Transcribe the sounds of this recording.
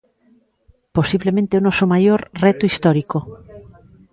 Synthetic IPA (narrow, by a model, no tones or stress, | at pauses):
posiβlemẽnt̪eonɔsomajoɾret̪uist̪ɔɾiko